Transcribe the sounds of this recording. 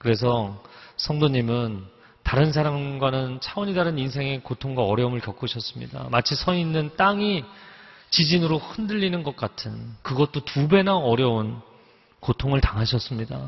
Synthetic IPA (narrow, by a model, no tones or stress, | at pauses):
kɯɾe̞s̬ʰʌsʰʌŋdoɲimɯn | taɾɯns̬ʰaɾamɡwanɯnt͡ɕʰawʌɲidaɾɯninsʰe̞ŋe̞kotʰoŋɡwaʌɾjʌumɯɭkjʌk͈uɕʰʌs͈ɯmɲḭda̰mat͡ɕʰisʰʌinːɯnt͈aŋi | t͡ɕid͡ʑinɯɾohɯndɯʎːinɯnɡʌk̚k͈atʰɯnkɯɡʌt̚t͈otube̞naʌɾjʌun | kotʰoŋɯɭtaŋɦaɕʰʌs͈ɯmɲida̰